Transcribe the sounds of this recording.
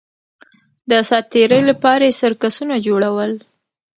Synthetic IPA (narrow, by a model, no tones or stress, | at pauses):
d̪əsɑt̪eɾəjlapɑɾajesəɾkasunad͡ʒoɽawəl